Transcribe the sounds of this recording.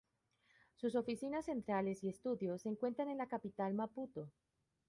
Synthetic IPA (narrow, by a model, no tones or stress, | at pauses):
suso̞fisinasːe̞nt̪ɾale̞sie̞st̪uðjo̞sːe̞ːŋkwe̞nt̪ɾane̞nlakapit̪almaput̪o̞